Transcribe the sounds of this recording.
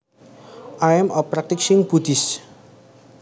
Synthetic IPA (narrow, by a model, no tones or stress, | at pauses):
ʔajɛməpɾak̚t̪ɪksɪ̃ŋb̥ud̪is